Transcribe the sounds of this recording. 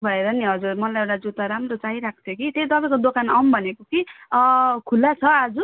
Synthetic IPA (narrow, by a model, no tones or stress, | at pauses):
bʱʌeɾʌniɦʌd͡zurmʌlajewʈad͡zut̪aɾamrot͡saiɾak̚ʰt͡sʰjokit̪et̪ʌpaĩkod̪okanʌmbʱʌnekoki | kʰulːat͡sʰʌad͡zu